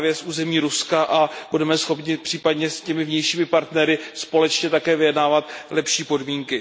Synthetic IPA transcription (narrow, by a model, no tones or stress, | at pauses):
vjɛsʔuːzɛmiːɾuskaʔab̥udɛmɛsxo̞pɲɪpr̥iːpadɲɛscɛmɪvɲɛjʃiːmɪpaɾt̪nɛɾɪspo̞lɛt͡ʃɲɛt̪akɛːvɪjɛdnaːvat̪lɛpʃiːpo̞dmiːŋkɪ